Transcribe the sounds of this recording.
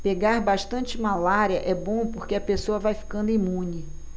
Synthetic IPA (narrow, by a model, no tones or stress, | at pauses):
peɡaɾbaʃt̪ɐ̃nt͡ʃɪmalaɾjɐʔɛbõpoɾkeɐpesoɐvajfi̥kɐ̃nd̪ʊimũnɪ